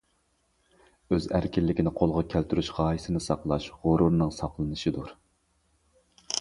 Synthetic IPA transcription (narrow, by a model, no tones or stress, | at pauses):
øzæ̰ɾkʲʰɪlːɪkʲʰɪnɪqʰolˠʁɑkʲʰælt̪ʰyɾyʃʁɑːjisɪnɪsɑqlˠɑʃʁʊɾuɾnɨŋsɑqlˠɨnɨʃid̪uɾ